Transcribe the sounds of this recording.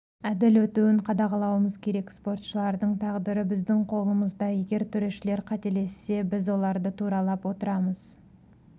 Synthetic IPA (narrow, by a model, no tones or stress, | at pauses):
æd̪ɪlwɵt̪uwɪɴqʰɑd̪ɑʁɑlˠɑwəməzkʲʰe̞ɾe̞kspo̞rt̪ʃəlˠɑɾd̪əɴt̪ʰɑʁd̪əɾəbɪzd̪ɪŋqʰo̞lˠəməzd̪ɑje̞ɡʲe̞ɾt̪ʰʏɾe̞ʃɪle̞ɾqʰɑt̪e̞le̞sːe̞bɪzwo̞lˠɑɾd̪ət̪ʰuɾɑlˠɑpwo̞t̪əɾɑməz̥